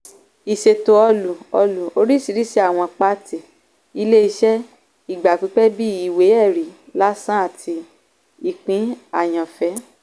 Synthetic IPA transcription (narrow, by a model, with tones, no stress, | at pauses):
i˨ʃe˧to˧ɔ˧lu˨ɔ˧lu˨o˧˦ɾi˦˨si˨˧ɾi˦si˦a˦˨w̃ɔ̃˧k͡pa˦ti˨ | i˧le˦i˧ʃɛ˦ | i˦˨ɡ͡ba˨k͡pi˨˧˦k͡pɛ˦bi˦i˨we˨˦ɛ˦˨ɾi˨la˦sã˦a˦˨tʰi˧ | i˧k͡pĩ˨˦a˦˨j̃ã˨fɛ˨˦